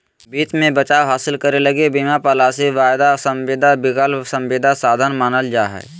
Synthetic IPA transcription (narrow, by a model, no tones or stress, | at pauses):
biːt̪mẽbət͡ʃaːwɦaːsɪlkəɾelɐɡebimapalaseʋaːjd̪asəmʋɪd̪ʱabɪkəlsɐ̃mʋɪːd̪ʱasaːd̪ʱənmaːnəld͡ʒaːɦɛ̰ː